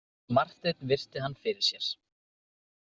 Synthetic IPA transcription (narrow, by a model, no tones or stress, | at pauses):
mar̥t̪et̪nvɪr̥t̪ɪɦanːfɪɾɪɾ̥sjɛɾ̥